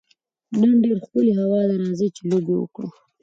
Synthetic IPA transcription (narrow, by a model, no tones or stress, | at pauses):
nənɖeɾxpəleɦawɑd̪aɾɑzit͡ʃelobewə̰kɽṵ